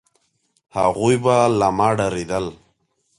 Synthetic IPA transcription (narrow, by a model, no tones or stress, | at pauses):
ha̰ɣujbalamaːɖaɾid̪əl